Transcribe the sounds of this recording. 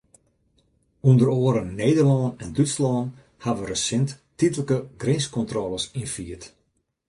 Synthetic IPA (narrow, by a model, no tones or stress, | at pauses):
undəɾoəɾənːejdərlɔːnɛndyslɔːn | haʋərəsɪnttitələkəɡrɪnskɔntrɔləsinfiːət